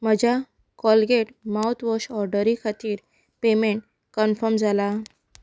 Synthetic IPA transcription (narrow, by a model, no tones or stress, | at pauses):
məd͡ʑʱa | kɔlɡeʈmawt̪ʋɔɕɔɾɖəɾikʰat̪iːɾ | pemeɳʈ | kənfəɾmd͡zʱala